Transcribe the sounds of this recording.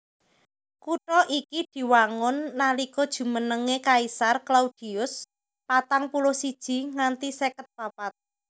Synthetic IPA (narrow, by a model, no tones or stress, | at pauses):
kuʈɔʔikid̪̥i̤waŋʊnːalikɔd̥ʒ̥ṳmənəŋekaisarklaud̥i̤ʊs | pat̪aŋpulosid̥ʒ̥i̤ŋant̪isekət̪̚b̥apat̪̚